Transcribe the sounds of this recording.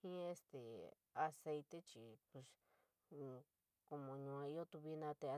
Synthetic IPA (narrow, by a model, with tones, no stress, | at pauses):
ĩ˦e˧st̪e˨ | a˧se˧jt̪e˦t͡ʃi˧˨pu˧s | ko˧mõ˨˧ɲũ˧ã˧i˦o˦t̪u˧βi˧˦nã˦˧t̪e˧a˧